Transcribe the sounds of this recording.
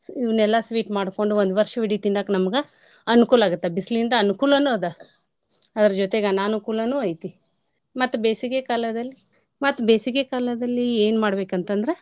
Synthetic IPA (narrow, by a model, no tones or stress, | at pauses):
iʋɐnɛlːɐsʋiːʈmaːɽko̞ɳɖuond̪ʋɐɾʂɐʋiɽit̪indaːknɐmɐɡe | ɐnukuːlaːɡut̪ːebisliind̪ɐɐnukuːlɐnuɐd̪ɐ | ɐd̪ɐɾɐd͡ʒot̪eɡenaːnukuːlɐnuːɐjt̪i | mɐt̪ːubeːsikekaːlɐd̪ɐlːi | mɐt̪ːubeːsikekaːlɐd̪ɐlːieːnmaːɽbe̞ːkɐnt̪ɐnd̪ɐɾe̞